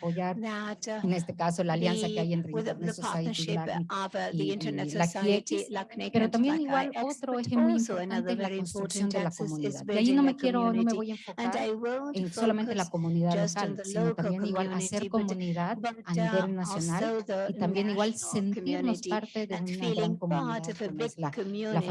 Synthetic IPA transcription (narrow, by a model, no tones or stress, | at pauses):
po̞ʝaɾene̞s̬t̪e̞kaso̞laːljansakeaje̞nt̪ɾeloonesosait̪ila | lakiekispe̞ɾo̞t̪ambje̞niɣwalo̞t̪ɾoexemploimpo̞ɾt̪ant̪e̞ezlako̞nst̪ɾuksjo̞nd̪e̞lako̞mũniðaðiajino̞me̞kje̞ɾo̞no̞me̞βo̞je̞ɱfo̞kaeso̞lame̞nt̪e̞lako̞mũniðaðlokalsino̞t̪ammbje̞niɣwalase̞ɾko̞omũniðaðaniβe̞lnasjo̞nalit̪ambje̞niɣwalse̞nt̪iɾno̞spaɾt̪e̞ðe̞unnaɣɾaŋko̞mũniaknoelalaf